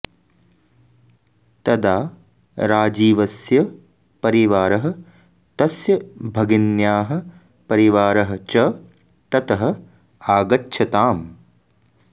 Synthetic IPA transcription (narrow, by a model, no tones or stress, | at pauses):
t̪ɐd̪aː | ɾaːd͡ʒiːʋɐsjɐ | pɐɾiʋaːɾɐɦɐ̆ | t̪ɐsjɐbʱɐɡinjaːɦɐ̆ | pɐɾiʋaːɾɐɦɐ̆t͡ʃɐ | t̪ɐt̪ɐɦɐ̆ | aːɡɐtːʃʰɐt̪aːm